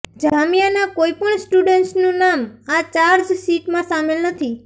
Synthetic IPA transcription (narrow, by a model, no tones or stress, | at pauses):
d͡ʒamijanakoipəɳsʈuɖeɳʈsnũnamat͡ʃaɾd͡ʒsiʈmãsamelnət̪ʰi